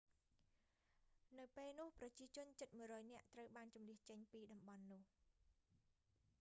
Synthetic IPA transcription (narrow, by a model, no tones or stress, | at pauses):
nɨwpeːlnʊ̆əhprɑt͡ɕiət͡ɕʊ̆ənt͡ɕət̪̚muəjrɔːjnɛ̆əʔt̪rəwɓaːnt͡ɕumliəht͡ɕəɲpiːɗɑmɓɑnːʊ̆əh